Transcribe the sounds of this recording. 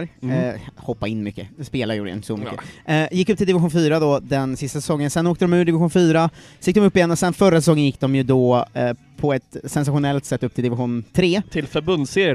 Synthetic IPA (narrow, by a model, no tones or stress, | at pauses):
ɾ | hɔpːaɪnːmʏkːəspeːlaɾjʊːɾɪ̰ɪ̰nəsɔmʏkkːə̰jɪkːɵp̚t̪ɪld̪ɪvɪɧuːnfyːɾad̪ɔd̪ɛnsɪst̪asɛsɔŋːənsɛnːoːkt̪əd̪ɔmʉɖ̪ɪvɪɧuːnfyːɾajɪkd̪ɔmɵpːɪjɛnːɔsɛnfœɾasɛs̬ɔŋːənjɪkːd̪ɔmjɵd̪ɔ | pʰɔɛt̪sɛnsaɧʊnɛlt̪sɛt̪ːɵpt̪ʰɪld̪ɪvɪɧuːnt̪ʰɾeːt̪ʰɪlfœɾbɵnd̪seːɾj